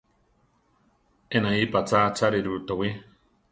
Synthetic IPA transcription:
enãipat͡sat͡saɾiɾut̪owi

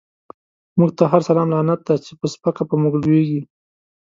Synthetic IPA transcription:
muɡ̚t̪aɦaɾsalɑmlɑnat̪̚d̪at͡ʃepəspakapəmuɡlweɡi

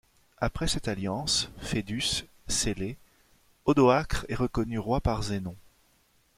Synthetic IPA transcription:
apχɛsɛt̪aljɑ̃sfed̪ys | sele | ɔd̪ɔakχɛʁəkɔnyʁwapaʁzenɔ̃

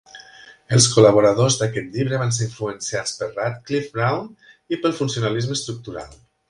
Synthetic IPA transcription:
əlˠskulaβ̞uɾaðozðakɛt̪ʎiβɾəβanseɾiɱfluənsiat͡spərat̪klifbɾawn | ipəlˠfunsiunalizməst̪ɾuk̚t̪uɾa̰lˠ

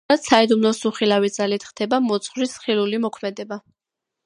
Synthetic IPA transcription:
at̪said̪umlɔsuχilavid̪z̥alit̪ʰχd̪̥ɛbamɔt̪sʰʼχwɾisχilulimɔkʰmɛd̪ɛba

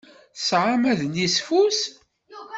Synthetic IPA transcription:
sʕamæðnisfus

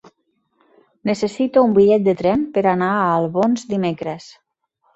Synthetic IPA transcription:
nəsesit̪oumbiʎɛt̪̚d̪ət̪ɾɛmpəɾanaaːlˠβonzd̪imekɾes

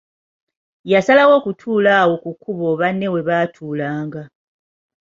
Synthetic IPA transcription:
jasalawo̞ːkutʰuːlaːwo̞kukʰːuβo̞βanːe̞we̞βaːtʰuːlaːŋɡa

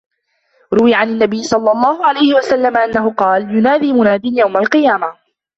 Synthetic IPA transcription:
ɾʊwɪjaʕanɪnːabɪjːɪsˤɑlːɑlˤːɑːhʊʕalajhɪwasalːamaʔanːaɦʊqɑːljʊnaːd̪iːmʊnaːd̪ɪnjawmalqɨjaːma

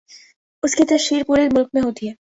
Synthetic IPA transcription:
ʊskit̪ɛʃiːɾpuːɾeɾmʊlk̚mẽɦoːt̪iɦɛː

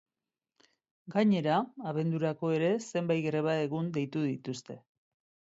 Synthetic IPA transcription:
ɡaɲe̞ɾaːβe̞nd̪uɾako̞e̞ɾe̞se̞mbajɡɾe̞βae̞ɣund̪e̞jt̪uðit̪ust̪e̞

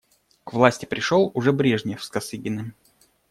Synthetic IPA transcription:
kvlˠasʲtʲɪ̥pɾʲɪʂolˠʊʐɛbɾʲeʐnʲɪjəfskɐsɨɡʲɪnɨ

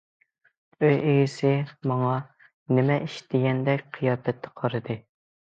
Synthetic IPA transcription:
øjeɡʲɪsɪmɑŋɑ | nɪmɛʔiʃt̪ʰɪɡʲɛnd̪ɛkʲqʰijɑːpɛt̪ʰːɛ̥qʰɑɾɨd̪ɨ

